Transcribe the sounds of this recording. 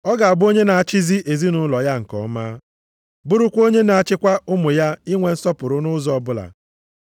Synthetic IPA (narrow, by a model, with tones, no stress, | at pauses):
ɔ˦ɡa˨a˨bo˦ɲe˦na˨a˦t͡ʃi˦zi˦ʔe˨zi˦nʊ˦lɔ˨ja˦ŋ̩˨kɔ̰˨˦ma˦ | bʊ˦ɾʊ˦kʷo˦ɲe˦na˨a˦t͡ʃɪ˦kʷa˦ʊ˦mʊ˨ja˦i˦ŋʷe˨n̩˦sɔ˦pʊ˨ɾʊ˦nʊ˦zɔ˨bʊ˦la̰˨